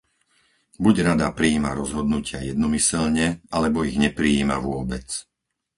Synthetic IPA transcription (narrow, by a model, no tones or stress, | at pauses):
buɟɾad̪apɾiːma̰ɾɔzɦɔd̪nucɪajɛd̪nɔmisɛlɲɛalɛbɔiɣɲɛpɾiiːma̰ʋʊɔbɛt͡s